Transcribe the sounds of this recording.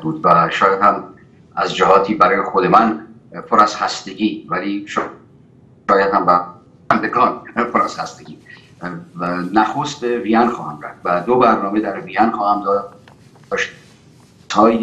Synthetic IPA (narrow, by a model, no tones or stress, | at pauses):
buːd̪væʃɒːjæd̪hæm | æzd͡ʒæɦɒːt̪ʰiːbæɾɒːjexod̪emæn | pʰoɾæz̥hæst̪eɟiːvæliːʃ | ɒːjæd̪hæmbæ | ænd̪eɡɒːnpʰoɾæz̥hæst̪eɡʲiː | næxost̪̚bevijænxɒːhæmɾæ̰fd̪væd̪obæɾnɒːmed̪æɾvijænxɒːhæmd̪ɒːd̪ | ɒʃʰ | ɒːj